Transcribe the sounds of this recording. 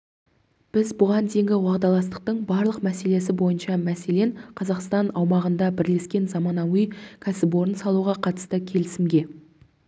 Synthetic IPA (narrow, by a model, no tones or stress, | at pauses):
b̥ɪzbʊʁɑnd̪ejɪŋʲɡʲɪwɑʁd̪ɑlˠɑst̪ə̥q̚t̪əɴbɑɾlˠəqmæse̞le̞s̬ɪbo̞jənʃɑmæse̞le̞ɴqʰɑzɑqst̪ɑnɑwmɑʁənd̪ɑbɪɾle̞skʲe̞nzɑmɑnɑwijkʲʰæsɪbwo̞ɾənsɑlˠuʁɑqʰɑt̪ə̥st̪əkʲʰe̞lɪsɪmɡʲe̞